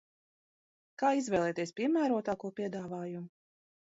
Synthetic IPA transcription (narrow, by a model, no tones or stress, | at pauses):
kaːizvʲɛːlˠɛːt̪iɛspʲiɛmæːɾuɔt̪aːkuɔpʲiɛd̪aːvaːjumu